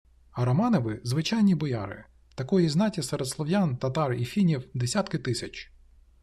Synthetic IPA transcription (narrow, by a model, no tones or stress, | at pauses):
ɐɾɔmɑnɔʋɪzʋɪt͡ʃɑjnʲibɔjɑ̰ɾɪ̰ | t̪ɐkɔjiznɑtʲisɛɾed̪slˠɔʋjɑnt̪ɐt̪ɑrifʲinʲiwd̪esʲat̪kɪt̪ɪsʲɐt͡ʃ